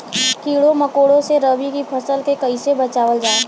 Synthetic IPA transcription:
kʰiːɽomɐkoːɽõseɾəbikipʰɐsəlkekɐɪsebɐt͡ʃaːʋəld͡ʒaː

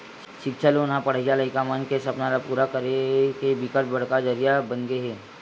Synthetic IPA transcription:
ʃɪkʃʰəloʊnɦãpɐɽ̤əɦɪjaləɪkamankesɐpnaɾapuːɾakəɾekebɪkəʈ̚bəɽ̤kad͡ʒəɾijabənɡeɦeː

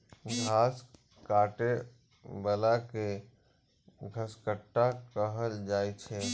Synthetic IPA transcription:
ɡʱaːs | kaːʈe | bəlake | ɡʱəskəʈːakəɦəld͡ʒaːet͡ʃʰɛ

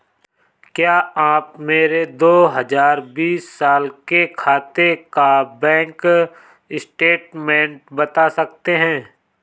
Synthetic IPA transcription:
kjaːaːpmeːɾed̪oːɦəzaːɾbiːsːaːlkekʰaːt̪ekabɛ̃ːk | ɪsʈeːʈmɛ̃ːɳʈ̚bɐt̪asɐk̚t̪eɦɛ̃ː

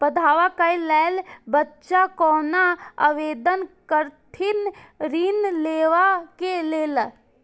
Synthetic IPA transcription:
pəd̪ʱaːʋakəjlɛːlbətːʃakɔːnaaʋeːd̪ənkəɾt̪ʰɪnɾiːnleːʋakeleːl

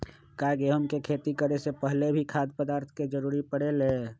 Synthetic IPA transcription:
kaɡeɦəmkekʰeːt̪ikəɾesepəɦlebʱikʰaːd̪̚pəd̪aːɾt̪ʰked͡ʒəɾuːɾipəɽeleː

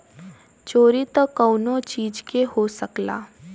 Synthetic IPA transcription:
t͡ʃoːɾit̪əkɔʊnõt͡ʃiːd͡ʒkehosəkla̰ː

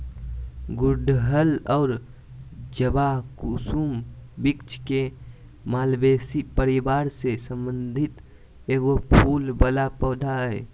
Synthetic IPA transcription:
ɡʊɾɖʱɦəlɔːɾ | d͡ʒəbakusuːmbɪkt͡ʃke | maːlbeːsipəɾɪbaːɾsesə̃mbə̃nd̪ʱɪt̪ | eːkopʰuːlbəlapɔːd̪ʱaɦɛ̰ː

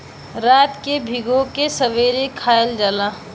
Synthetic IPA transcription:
ɾaːt̪kebʱiɡõkesəʋeːɾekʰaːəld͡ʒala

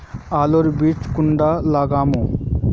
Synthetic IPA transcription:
aloɾbit͡ʃkuɳɖalaɡamo

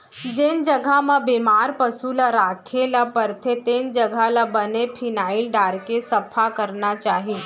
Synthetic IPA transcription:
d͡ʒɪnd͡ʒɐɡʱamãbiːmaːɾpəsulaɾaːkʰelɐpɐɾt̪ʰet̪end͡ʒɐɡʱalabɐnepʰinaːɪlɖaːɾkesɐpʰakɐɾnat͡ʃaːɦi

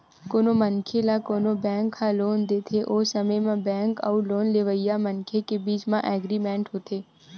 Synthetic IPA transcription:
koːnomənkʰelakoːnobɛ̃ːŋkhãloːnd̪eːt̪ʰeʔoːsəməjmãbɛ̃ːŋka̰uloːnleʋəijamənkʰekebiːt͡ʃmãʔɛːɡɾimɛ̃ːɳʈɦoːt̪ʰeː

